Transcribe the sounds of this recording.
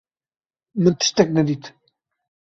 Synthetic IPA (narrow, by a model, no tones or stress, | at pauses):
mɨnt̪ʰɨ̥ʃt̪ɛk̚nɛd̪iːt̪